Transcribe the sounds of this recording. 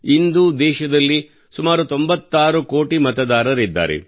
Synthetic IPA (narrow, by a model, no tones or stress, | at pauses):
ind̪ud̪ɛːʃɐd̪ɐlːi | sumaːɾut̪o̞mbɐt̪ːaːɾuko̞ːʈimɐt̪ɐd̪aːɾɐɾid̪ːa̰ːɾḛ